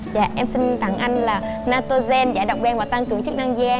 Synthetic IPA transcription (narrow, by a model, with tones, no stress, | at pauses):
zaː˧˨ʔɛ˧msï˧nt̪aː˧˩ŋʔa˧jŋ̟laː˨˩ | naː˧t̪o˧zɛ˧nzaː˧˩˦ɗə̰˨wŋ͡mɛː˧nvaː˨˩t̪a˧ŋkɨ˨˩əŋt͡ɕɨ˦˥k̚na˧ŋzi˧ʔɛ˧